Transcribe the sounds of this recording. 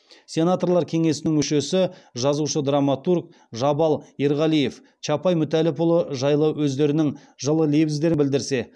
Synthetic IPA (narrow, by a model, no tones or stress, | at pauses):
sʲe̞nat̪o̞rlˠɑɾkʲʰe̞ŋe̞sɪnɪŋmʏʃe̞sɪʒɑzuʃəd̪ramat̪urk̚ | ʒɑbɑlˠeɾʁɑlije̞f | t͡ʃʰɑpɑjmʏt̪ælɪpʰʊlˠəʒɑjlˠəwɵzd̪e̞ɾɪnɪŋ | ʒəlˠəlebɪzd̪e̞ɾɪbɪld̪ɪɾse̞